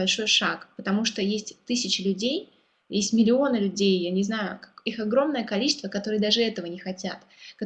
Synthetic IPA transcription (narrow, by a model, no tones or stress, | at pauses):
ɐlʲʂo̞jʂakpət̪ɐmuʂt̪ojesʲtʲt̪ɨsʲɪt͡ɕɪlʲʉdʲej | jesʲtʲmʲɪlʲɪo̞nɨlʲʉdʲejjanʲɪznajʊkixɐɡɾo̞mnəjəkɐlʲit͡ɕɪst̪vəkɐt̪o̞ɾɨjəd̪aʐɨɛt̪əvənʲɪxɐtʲat̪kɐ